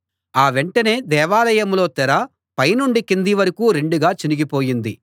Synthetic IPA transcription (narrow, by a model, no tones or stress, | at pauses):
aːʋeɳʈɐne̞ːd̪ɛːʋaːlɐjɐmlo̞ːt̪ɛɾɐ | pɐjnuɳɖikind̪iʋɐɾɐkuːɾe̞ɳɖuɡaːt͡ʃiniɡipo̞ːjind̪i